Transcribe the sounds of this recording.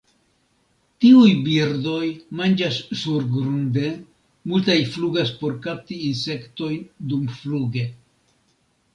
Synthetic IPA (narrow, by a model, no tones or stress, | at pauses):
tiujbiɾdo̞jmand͡ʒasːuɾɡɾunde̞ | multajfluɡaspo̞ɾkap̚tiːnse̞kto̞jndumfluɡe̞